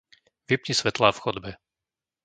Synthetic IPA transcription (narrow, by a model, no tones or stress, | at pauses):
ʋipɲisʋɛt̪laːfxɔd̪bɛ